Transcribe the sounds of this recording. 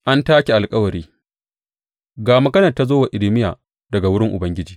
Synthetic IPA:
ʔa˦ntaː˦kʲi˨ʔa˨lkʼɐ˦wɐ˨ɾiː˦ | ɡaː˨mɐ˨ɡɐ˦nɐ˨rta˦zoː˦wa˨ʔɪ˨lɪ˦mɪ˦jaː˨ | dɐ˨ɡa˨wʊ˦ɽɪ˦ŋʔʊ̰˨bɐ˦ŋɡʲɪ˦d͡ʒiː˨

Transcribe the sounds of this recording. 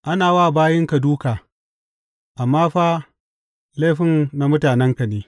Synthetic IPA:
ʔa˦naː˨waː˦˨baː˦jɪ˦ŋka˨duː˦kaː˨ | ʔa˨mːaː˦ɸa˦ | le˦ɸɪ˦nna˦mʊ˦taː˨nɛ˦ŋka˨neː˦

